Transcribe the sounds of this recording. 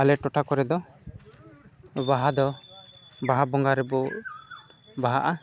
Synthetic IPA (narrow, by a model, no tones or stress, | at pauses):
alɛʈɔʈʰakɔɾɛd̪ɔ | baɦad̪ɔ | baɦabɔŋɡaɾɛbɔ | baɦaʔa